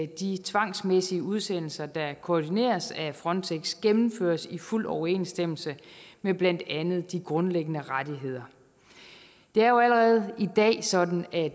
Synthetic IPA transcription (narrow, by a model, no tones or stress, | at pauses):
d̥it͡sʰʋɑ̈ŋ̰smesiəʔuð̞ˠsen̰l̩sɐd̥ɑ̈kʰoːd̥ine̝̰ːɐsæfʁɒ̽nt͡sʰeɡ̥sɡ̥emm̩føːɐsiful̰ɒʊɐe̝̰ːnsd̥em̰l̩səmeb̥læn̰d̥ænð̞̩ˠd̥iɡ̥ʁɔ̽nleɡ̥ənəʁad̥iɦe̝ð̞̰ˠɐ | d̥e̝æɐjo̝æləʁɛð̞̩ˠid̥ɛ̰ːsɒ̽d̥n̩æ